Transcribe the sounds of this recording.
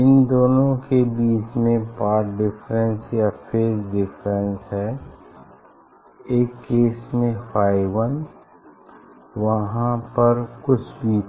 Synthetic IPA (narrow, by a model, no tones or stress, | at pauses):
ɪnd̪oːnõkebiːt͡ʃmẽpaːɾʈɖɪfʰɾə̃nsjapʰeːɾɖɪpʰɾə̃nsɦɛː | eːkːeːsmẽpʰaːɪʋən | ʋɐɦãpɐɾkʊt͡ʃʰbiː